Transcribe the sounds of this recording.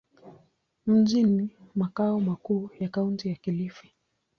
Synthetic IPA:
m̩ʄinimakaɔmakuːjakauntijakilifi̥

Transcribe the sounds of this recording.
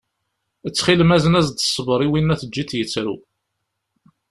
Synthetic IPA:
ət͡sːχilmæzənæzd̪ə̥sˤːbɾˤiwinːæθəd͡ʒːiθjət͡sːɾṵ

